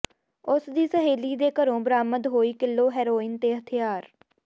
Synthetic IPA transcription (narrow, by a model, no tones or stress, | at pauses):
ʊsd̪iːsəɦeːliːd̪eːkəɾõːbəɾaːməd̪ɦoːiːkɪlːoːɦɛːɾoːɪnt̪eːɦət̪ʰɪjaːɾ